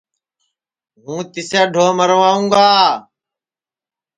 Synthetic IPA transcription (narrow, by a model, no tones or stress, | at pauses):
ɦũːt̪ɪsaːɖʱoːməɾʋaːũːɡaː